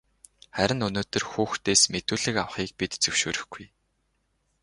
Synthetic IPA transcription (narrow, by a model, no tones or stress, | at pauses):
χæɾʲɪ̆nɵnoːt̪ɵ̆rxuːxt̪eːsmet̪uːɮɘ̆kaw̆χiːk̚pit̪t͡sɵwʃoːɾɵ̆xɡ̥uj